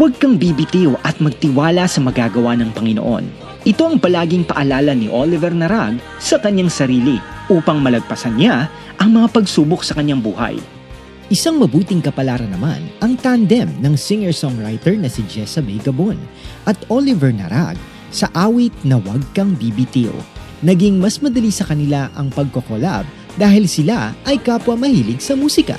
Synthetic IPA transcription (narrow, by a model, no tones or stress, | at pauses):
wɐɡ̚kɐŋbibit̪iwʔɐt̪̚mɐɡ̚t̪ɪwaːlɐsɐmɐɡaɡɐwanɐŋpɐŋɪno̰ʔo̞̰n | ʔɪt̪o̞ɐŋpɐlaːɡɪŋpɐʔɐlaːlɐnɪʔolɪvɛɾnɐɾaɡ̚ | sɐkɐɲːaŋsɐɾiːliʔuːpɐŋmɐlɐɡ̚pɐsɐnɲa | ʔɐŋmɐŋapɐɡsuːbok̚sɐkɐɲːaŋbuːhɐ̰j | ʔɪsaŋmɐbuːt̪ɪŋkɐpɐlaːɾɐnɐma̰nɐŋt̪and̪ɛmnɐŋsɪŋɛɹsɔŋɹajt̪ɛɹnɐsid͡ʒɛsɐbɛjɡɐbonʔɐt̪olɪvɛɹnɐ̰ɾa̰ɡ̚ | sɐʔaːwɪt̪̚nɐwɐɡ̚kɐŋbibit̪iʔo̰ | nɐɡiŋmɐsmɐd̪ɐlisɐkɐnɪlaʔɐŋpɐɡ̚kokola̰b̚ | d̪aːhɪlsɪlaʔɐjkaːpwɐmɐhiːlɪɡsɐmuːsɪkɐ̰